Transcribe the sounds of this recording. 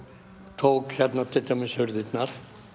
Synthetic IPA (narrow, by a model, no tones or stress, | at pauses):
t̪ʰoːwkçɛt̪nat̪ʰɪlt̪amɪshʏɾðɪt̪naɾ̥